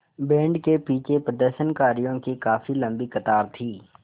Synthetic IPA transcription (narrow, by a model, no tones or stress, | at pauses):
bɛ̃ːɳɖkepiːt͡ʃepɾəd̪əɾʃənkaːɾijõkikaːfilɐ̃mbikɐt̪aːɾt̪ʰiː